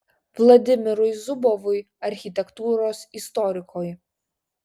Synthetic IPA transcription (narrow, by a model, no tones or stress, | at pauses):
ʋlˠɐd̪ʲɪmʲɪɾʊjzʊbɔʋʊj | ɐɾʲxʲit̪ʲɛkt̪uːɾoːsist̪ɔɾʲɪkʰoːj